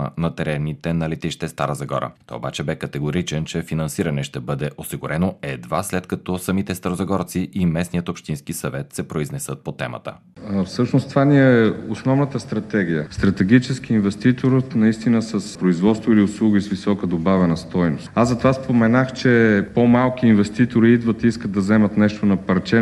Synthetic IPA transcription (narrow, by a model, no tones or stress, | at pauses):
nɐt̪ɛɾɛnit̪ɛnɐlit̪iʃt̪ɛst̪a̰ɾəzɐɡɔ̰ɾə̰t̪ɔ̰jo̰ba̰t͡ʃɛbɛkɐt̪ɛɡoɾit͡ʃɛnt͡ʃɛfinɐnsiɾɐnɛʃt̪ɛbɤd̪ɛʔosiɡʊɾɛnoɛd̪va̰slɛt̪kɐt̪ɔsɐmit̪ɛst̪ɐɾozɐɡɔɾt̪siʔimɛsnijət̪opʃt̪inskisɐvɛt̪sɛpɾoiznɛsət̪̚pot̪ɛmə̰t̪ə̰ | fsɤʃnost̪ovaniɛɛosnɔvnət̪əst̪ɾɐt̪ɛɡ̟ʲijəst̪ɾɐt̪ɛɡit͡ʃɛskiinvɛst̪it̪oɾət̪nɐist̪inəsɐspɾoizvɔt̪st̪voiliʊslˠuɡisvisɔkəd̪obavɛnəst̪ɔjnost̪azɐt̪ovaspomɛnaxt͡ʃɛpomalˠkiːnvɛst̪it̪oɾiid̪vət̪iiskət̪̚d̪ɐzɛmɐt̪nɛʃt̪onɐpɐɾt͡ʃɛ